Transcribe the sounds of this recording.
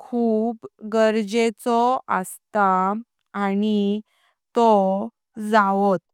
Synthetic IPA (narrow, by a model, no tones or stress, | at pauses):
kʰuːpɡəɾd͡ʑet͡sɔəst̪aː | ñi | t̪ɔ | d͡zaʋɔt̪̚